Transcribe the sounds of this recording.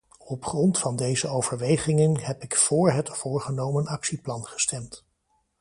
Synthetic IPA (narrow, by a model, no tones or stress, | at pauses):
ɔpχrɔntfɑndejzəowv̥əɹʋejχɪŋənɦɛpɪkfʊːɹɦətfʊːɹχənowmənɑksiplɑnχə̥stɛmt